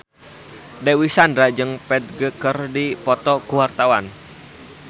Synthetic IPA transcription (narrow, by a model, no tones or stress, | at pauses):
dewisandɾad͡ʒɨŋpɛd̪̚ɡəkərdipɔt̪ɔkuwart̪awan